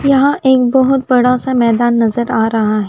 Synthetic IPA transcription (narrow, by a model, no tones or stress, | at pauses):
jɐɦãʔʔeːk̚bɔɦʊt̪̚bɐɽasamɛːd̪aːnːɐzəɾaːɾɐɦaɦɛː